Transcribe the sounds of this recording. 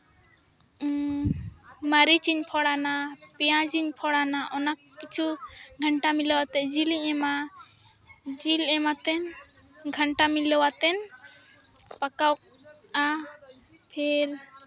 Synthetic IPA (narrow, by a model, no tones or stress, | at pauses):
məɾit͡ʃiɲpʰɔɽanapɛjãd͡ʒiɲpʰɔɽanaʔɔnakːit͡ʃʰuɡʱəɳʈamilɔwat̪ɛd͡ʒiliɲɛma | d͡ʒilɛmat̪ɛn | ɡʱəɳʈamilɔwat̪ɛn | pakawk̚ | a | pʰɛɾ